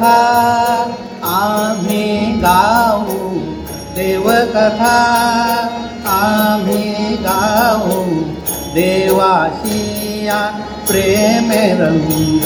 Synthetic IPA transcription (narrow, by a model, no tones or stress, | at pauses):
a | aːmʱiɡaːʋũ | d̪eːʋəkɐt̪ʰa | amʱiɡaːʋũ | d̪eːʋaːsi | jã | pɾeːmeɾɐŋu